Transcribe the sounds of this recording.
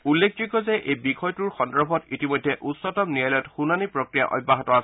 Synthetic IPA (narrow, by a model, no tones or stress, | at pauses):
ulːekʰd͡ʒukɔzɛʔejbixɔjtuɹxɔndɔɹbʱɔtitimojdʱːɛʔutsɔtɔmniajlɔjɔtxunanipɹɔkɹija̰ʔɔ̰jbːaɦɔtɔas